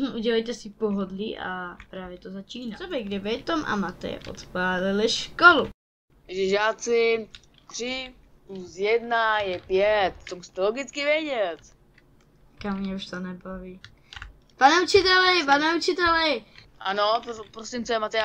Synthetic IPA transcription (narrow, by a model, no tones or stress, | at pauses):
ʔuɟɛlɛjt̪ɛsɪpoɦod̪liʔa̰pɾaːvjɛt̪ozat͡ʃiːnaobɛjɡdɛvɛjt̪omʔa̰mat̪ɛ̰ɛ̰ʔo̰t̪paːlɪlɪʃkɔlu | aʒɛʒaːt͡sɪ | t̪r̥ɪ | plusjɛd̪najɛpjɛt̪̚t̪omust̪ɛloɡɪt͡skɪvjɛɟɛt̪ | kamːɲɛuʃt̪onɛbaviː | panɛut͡ʃɪt̪ɛlɛpanɛut͡ʃɪt̪ɛlɛʔanoppɾosimt͡sɔɛmat̪ɛ